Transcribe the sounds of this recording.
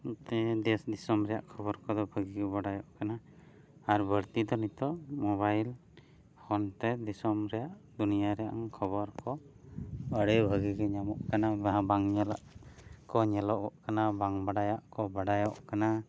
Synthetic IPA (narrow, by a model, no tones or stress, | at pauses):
t̪ɛd̪ɛsd̪isɔmɾɛja̰ʔkʰɔbɔɾkɔd̪ɔbʱəɡikɛbaɽajɔʔkanaː | ɾbʱəɾt̪id̪ɔnit̪ɔmɔβajl | hɔnt̪ɛd̪isɔmɾɛjaʔd̪unijaɾɛʔa̰ŋkʰəbɔɾkɔ | əɽɛbʱəɡiɡɛɲamɔʔkanabaɦãbaŋɲɛlaʔkɔɲɛlɔʔɔʔkanabaŋbaɽajaʔkɔbaɖajɔʔkana